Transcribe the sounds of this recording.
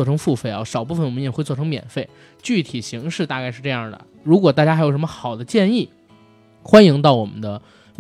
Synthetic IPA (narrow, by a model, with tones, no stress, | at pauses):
ɔ˥˧˩ʈ͡ʂʰɤ˧˥ŋfu˥˧fe˥˩ɪɐ̰˧˩ʂɑ˨˩ʊp̬u˥˩fə˩nwɔ˨mə˦˥˩ɛ˨˩xwwʈ͡ʂʰɤ˥ŋmjɛ̰˨˩nfe˥˩ɪ | t͡ɕy˥˩t̪ʰi˨˩ɕi˧˥ŋʂɻ̩˥˧t̪a˥˧ka˥ɪʂɻ̩˥˧ʈ͡ʂɤ˥˧jɑ˥˩ŋd̪ə̰˩ | ɻu˧˥kwɔ˨˩t̪a˥˩t͡ɕja˥xjo˨˩ʊʂmə˧xɑ˨˩ʊd̪ə˦t͡ɕjɛ˥˧ni˥˩ | xwa˥ni˧˥ŋt̪ɑ˥˩ʊwɔ˨˩mə˦nd̪ə˧